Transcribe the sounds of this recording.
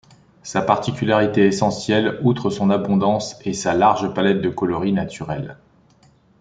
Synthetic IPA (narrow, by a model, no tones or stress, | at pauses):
sapaʁt̪ikʲylaʁit̪eesɑ̃sjɛlut̪χəsɔ̃nabɔ̃d̪ɑ̃sesalaʁʒəpalɛt̪̚d̪əkɔlɔʁinat̪ʰyʁɛl